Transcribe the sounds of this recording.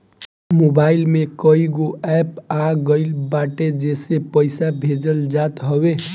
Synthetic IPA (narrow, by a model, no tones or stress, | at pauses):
mobailmekəiɡoɛpaɡəɪlbaʈed͡ʒesepəjsabʱed͡ʒəld͡ʒat̪ɦəbe